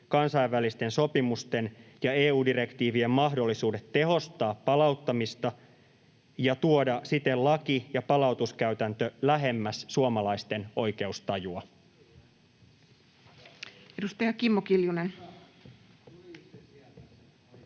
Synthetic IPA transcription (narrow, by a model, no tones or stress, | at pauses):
kɑnsɑiʋːælist̪e̞nso̞pimust̪e̞njɑeːuːdiɾe̞kt̪iːʋie̞mːɑɦdo̞lːisuːde̞t̪ːe̞ɦo̞st̪ɑːpːɑlɑuwt̪ːɑmist̪ɑ | jɑt̪uodɑsit̪e̞llɑkijɑpɑlɑut̪uskæyt̪ænt̪ølæɦe̞mːæssuomɑlɑist̪e̞no̞jke̞ust̪ɑjuɑ | edust̪ɑjɑkimːokiljunen